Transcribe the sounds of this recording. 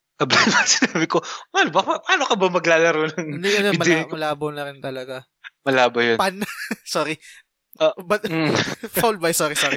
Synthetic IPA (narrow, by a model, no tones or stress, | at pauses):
ɐblanbɐsɪnaːbɪkowalbɐpapaːnokɐbɐmɐɡlaːlɐɾonɐŋnɐjɐnomɐmɐlaːbɐwnɐɾɪnt̪ɐlɐɡa | mɐlaːbɐjonpɐnɐsoːɾi | bɐt̪̚ːfawlbɐjsoːɾisoːɾi